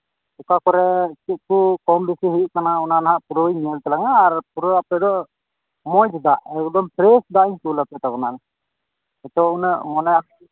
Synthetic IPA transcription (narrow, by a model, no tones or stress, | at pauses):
ukakɔɾɛt͡ʃiʔ̚kukɔmbisiɦiuʔkanaunanaɦaʔpuɾɔjɲəlt̪ɛlaŋaːɾpuɾɔapɛd̪ɔʔ | mɔjd͡ʒd̪aʔɛud̪ɔmpɾɛsd̪aʔiɲkulapɛt̪aɡɔnan | ɛt̪ɔunəʔmɔnɛa